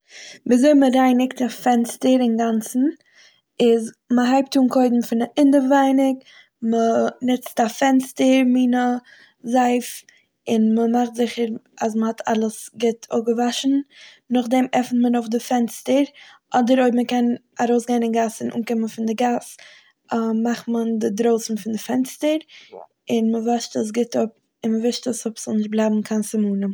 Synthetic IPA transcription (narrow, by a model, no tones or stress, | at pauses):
viːzoɪməɾaɪnɪktafɛnstəɾɪnɡant͡sn̩ | ɪz | məɦaɪp̚tuːnkʰoɪdm̩fɪnaʔɪndəvaɪnɪk | mənɪt͡stafɛnstəɾmiːnə | zaɪf | ɪnməmaχtzɪχəɾas̬məhatʰa̰lˠəsɡɛtʰo̰ɡəvaʃn̩ | nʊχdɛmɛfn̩tmənoʊfdɪfɛnstəɾʔɔdəɾoɪbməkɛnaɾoʊsɡeɪnɪnɡasɪnʔṵːnkɪmənfɪndɪɡas | əmaχtməndɪdɾoʊsn̩fɪndɪfɛnstəɾ | ɪnməvaʃtəs̬ɡɪtʊp̚ | ɪnməvɪʃtəsʊpslˠnɪʃt̚blˠaɪbm̩kʰansɪmuːnə